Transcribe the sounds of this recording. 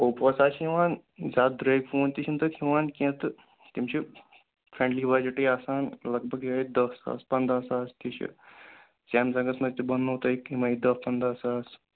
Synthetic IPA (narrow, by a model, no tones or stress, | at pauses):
oːpəsaːt͡ʃʰiʋaːn | zaːt̪̚d̪ɾeːjɡfʰoːnt̪it͡ʃʰint̪ɐt̪ʰiʋaːnkẽːt̪ɨ | t̪imt͡ʃʰi | fʰɾẽːɳɖliːbaːd͡ʒɐʈiːaːsaːnlɐɡ̚bʱɐɡɦiɐːid̪ɐsa̰ːspɐnd̪aːsaːst̪ʰit͡ʃʰḭ | saːmsɐ̃ŋɡɐsmɐzt̪ibɐnːoːt̪ɐikimɐid̪ɐpɐnd̪aːsaːs